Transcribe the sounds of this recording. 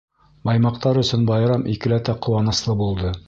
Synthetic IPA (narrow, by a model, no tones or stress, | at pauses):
bɑjmɑq̚t̪ɑɾɵ̆sɵnbɑjɾɑmʔikɘ̆læt̪æqʰŏwɑnɤ̆slˠɤbulˠd̪ɤ